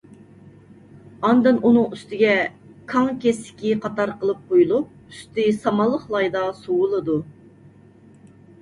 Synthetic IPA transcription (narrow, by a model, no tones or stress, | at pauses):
ɑnd̪ɨnunɨŋyst̪ɪɡʲɛ | kʰɑŋkʲesɪ̥kʲiqʰɑt̪ɑɾqəlˠɨp̚qʰojulˠup̚yst̪ɪsɑmɑlˠːəχlˠɑjd̪ɑsuwʊlˠɨd̪u